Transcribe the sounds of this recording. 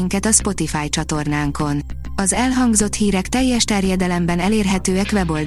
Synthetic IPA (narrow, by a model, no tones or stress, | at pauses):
iŋkɛt̪ɒspo̞t̪ifaːjt͡ʃɒt̪o̞rnaːŋko̞n | ɒzɛlɦɒŋɡzo̞t̪hiːɾɛkt̪ɛjːɛʃt̪ɛrjɛd̪ɛlɛmbɛnɛleːrɦɛt̪øːɛkʋɛbo̞ld̪